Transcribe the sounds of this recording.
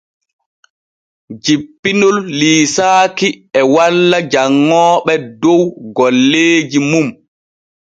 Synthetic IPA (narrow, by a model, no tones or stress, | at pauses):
d͡ʒipːinulːiːsaːkiɛwalːad͡ʒaŋːɔːɓɛdowɡɔlːeːd͡ʒimum